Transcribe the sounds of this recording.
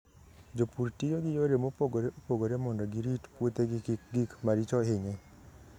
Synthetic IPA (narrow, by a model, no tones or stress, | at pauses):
d͡ʒopuɾtijoɡɪjoɾemopoɡoɾeʔopoɡoɾemɔndɔɡɪɾitpwot̪eɡɪkik̚ɡikmaɾit͡ʃɔɪɲɛ